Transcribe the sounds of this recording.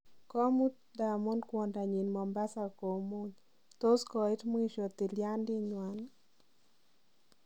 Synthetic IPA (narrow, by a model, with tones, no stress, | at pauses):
kɔ˦mu˦t | da˨mo˦nkwɔ˨nda˨ɲi˨nmɔ˨mba˦sa˨ko˨mo˦ɲ | t̪o˦skɔ˨i˦tmo˦i˦ʃɔ˨t̪i˨lja˦ndɪ˦ɲwa˨n